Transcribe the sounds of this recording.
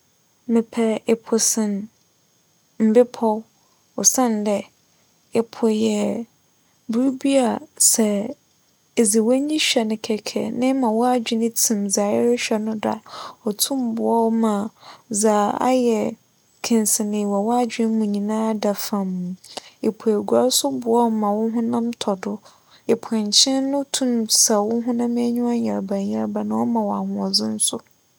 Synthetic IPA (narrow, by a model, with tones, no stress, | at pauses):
mɪ̃˨pʰɛ˨ɪ˨pʰʊ˨sɪ̃˨n | m̩˨bɪ˦pʰɔ˦ | ɔ˨sã˦˨ndɛ˨ | ɪ˨pʰʊ˨jɛ˨ | bu˦ɾu˦bi˦a˨sɛ˨ | e˨zi˨wɔ˦ɲĩ˦ɕᶣɛ˨nɪ̃˨kʰɛ˨kʰɛ̰˨nɪ̃˦mã˨wɔ˦a˦d͡ʑᶣɪ˦nɪ̃˦tʰĩ˨mza˨ɪ˦ɾɪ˦ɕᶣɛ˦nʊ̃˦da̰˨ɔ˨tʰũ˦m˨˦bʊ˨ɔ˦wmã˨za˨a̰˦jɛ˨ | kʰɪ̃˨nsɪ˨nɪ̃˨wa˨wɔ˦a˦d͡ʑᶣɪ̃˦m˦mũ˨ɲĩ˨nãː˦da˨fã˨m˨e˨pʰu˨e˨ɡʷa˦sʊ˦bʊ˨ɔ˦wmã˨wʊ̃˦ɦʊ̃˦nã˦mtʰɔ˨dʊ˦ | e˨pʰɛ̃˨ɲ˨t͡ɕʰɪ̃˦nnːʊ̃˦tʰũ˦˨msa˨wʊ̃˦ɦʊ̃˦nã˦m˦ɛ˦ɲũ˦a˦ɲɛ̃˨ɾba˨ɲɛ̃˨ɾba˨nã˨wɔ˦mã˨wɔ˨a˨hʊ̃˨ɔ˨zɪ̃˦n̩˦sʊ˦